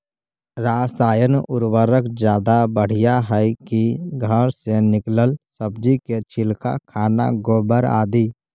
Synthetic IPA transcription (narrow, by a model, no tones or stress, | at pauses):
ɾaːsaːjənʊɾwəɾəkd͡ʒjaːd̪abəɽ̤ijaɦɛkiɡʱəɾsenɪkləlsəbd͡ʒiket͡ʃʰɪlka̰kʰaːna̰ɡoːbəɾa̰ːd̪i